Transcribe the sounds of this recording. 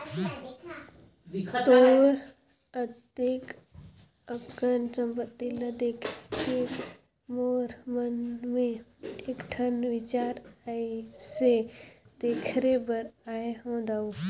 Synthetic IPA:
t̪oːɾ | ət̪ɪk | əkənt͡ʃə̃mpət̪ːɪlad̪eːkʰke | moːɾmənmẽeːkʈʰənʋɪt͡ʃaːɾaised̪̥eːkʰɾebəɾaːeɦõːd̪aːo

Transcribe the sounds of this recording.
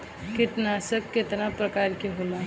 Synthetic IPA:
ket̪nasəb̚ʱket̪napɾəkaɾkeɦola

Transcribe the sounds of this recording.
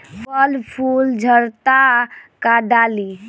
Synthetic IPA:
pʰəlpʰuld͡ʒʱəɾt̪akaɖali

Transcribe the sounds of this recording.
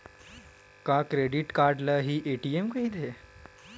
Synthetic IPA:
kakɾeɽiʈkaɾɖləɦiːʔeʈiemkəɦiːd̪e

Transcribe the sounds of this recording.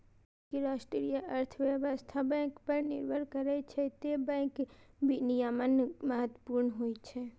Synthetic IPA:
keɾaʃʈɾijaʔəɾt̪ʰəʋjɛʋəst̪ʰabɛ̃ŋkpəɾnɪ̰ɾʋəɾkəɾet͡ʃʰet̪ebɛ̃kbʱinijamənməɦət̪əpuɾnəɦojt͡ʃʰe

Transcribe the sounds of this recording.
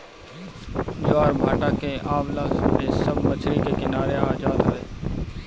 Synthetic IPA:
d͡ʒaːɾbʱaːʈaːkeʔaːʋlaːesəbmət͡ʃʰɾikekɪnaːɾeaːd͡ʒaːt̪aeː

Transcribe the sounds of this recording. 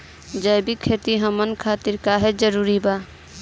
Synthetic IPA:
d͡ʒəɪbikʰeːt̪iɦəmənkʰaːt̪ɪɾkaɦed͡ʒəɾuːɾibaː

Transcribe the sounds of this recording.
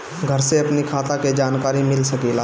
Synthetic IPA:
ɡʱəɾseɐpnikʰaːt̪aked͡ʒaːnkaːɾimɪlsɐkiːlaː

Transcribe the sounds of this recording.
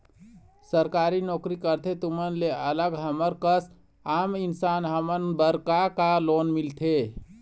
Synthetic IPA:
səɾkaɾinɔkɾikəɾt̪ʰet̪umənleələɡɦəməɾkəs | aminsanɦəmənbəɾkakalonmilt̪ʰe

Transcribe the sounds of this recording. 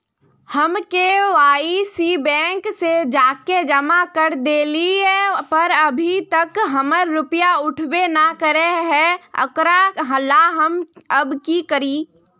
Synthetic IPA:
həmkeʋaːisibɛ̃ːŋksed͡ʒaːked͡ʒəmakəɾd̪eːlipɐɾəbʱit̪ɐkɦəməɾːʊpjaʊʈʰwenakəɾeɦɛə̰kɾaɦəlaɦəməbkikəɾiː

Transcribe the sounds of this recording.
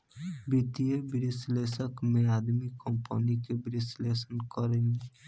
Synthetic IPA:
bit̪iebiɾislesɔkmead̪mikɔmpɔ̰nikebiɾislesənkɔɾeni

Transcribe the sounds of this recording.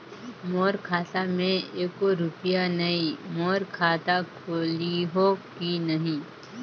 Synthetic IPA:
moːɾkʰaːt̪amẽeːkoɾʊpɪjanɐimoːɾkʰaːt̪akʰoliɦokinɐɦĩ

